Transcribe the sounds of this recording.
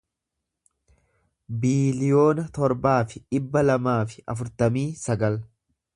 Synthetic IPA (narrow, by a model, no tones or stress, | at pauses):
biːlɪjo̞ːnɐt̪ɔɾbaːfɪᶑɪbːɐlɐmaːfɪ̥ʔɐfʊɾt̪ɐmiːsɐɡɐl